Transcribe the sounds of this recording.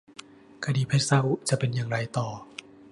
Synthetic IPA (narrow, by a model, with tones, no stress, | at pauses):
kʰa˧diː˧˩pʰe˦˥t̪̚sa˦˥˩wt͡ɕa˨˩ʔpe˧njaː˨˩ŋɾa˧jt̪ɔː˨˩